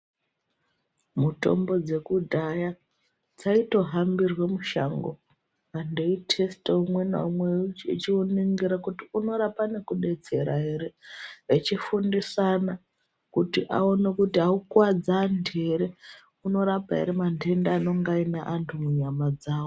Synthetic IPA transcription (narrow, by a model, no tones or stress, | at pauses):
muto̞̰mbo̞d͡ze̞kudʱaja | d͡zaito̞ɦambirwe̞muʃa̰ŋɡo̞̰ | ando̞itʰe̞steumwe̞na̰umweḭt͡ʃiuniŋɡiɾakutiuno̞ɾapane̞kuɗe̞t͡se̞ɾaɦe̞ɾeet͡ʃifundisana | kutiʔa̰o̞nekutiɦaukwad͡zandeɾe̞ | uno̞ɾapaɦḛɾemandʱe̞ndaːno̞ŋɡainaʔantʰumuɲamad͡zaːwo